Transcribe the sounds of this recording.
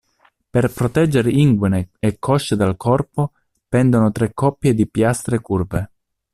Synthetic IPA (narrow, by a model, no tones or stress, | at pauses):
perpɾot̪ɛd͡ʒːeɾeiŋɡwineːkʰːɔʃːed̪alkʰɔrpo | pɛnd̪onot̪ɾɛkːɔpːjed̪ipjast̪ɾekurve